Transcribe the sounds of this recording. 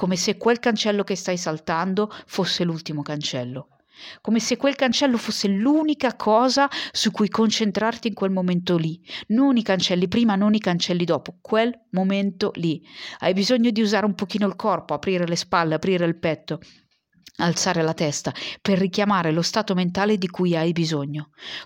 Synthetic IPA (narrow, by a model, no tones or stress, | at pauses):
komesekːwelkant͡ʃɛlːokest̪ajsalt̪and̪ofosːelult̪imokant͡ʃɛlːo | komesekːwelkant͡ʃɛlːofosːeluːnikakʰɔːzasukːujkont͡ʃent̪ɾart̪iːŋkwelmoment̪olinonikant͡ʃɛlːipɾiːmanonikant͡ʃɛlːid̪ɔːpokwelmoment̪olia̰jbizoɲːod̪iuzaːɾeumpok̟iːnoilkɔrpoapɾiːɾelespalːeapɾiːɾeilpɛt̪ːo | alt̪saːɾelat̪ɛst̪aperːikjamaːɾelost̪aːt̪oment̪aːled̪ikujajbizoɲːo